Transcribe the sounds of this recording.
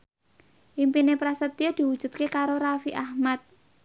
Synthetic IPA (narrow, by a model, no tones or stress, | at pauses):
ʔimpinepɾasət̪ijod̪̥i̤wud̥ʒ̥ṳt̪̚kekaɾoɾafiʔahmat̪̚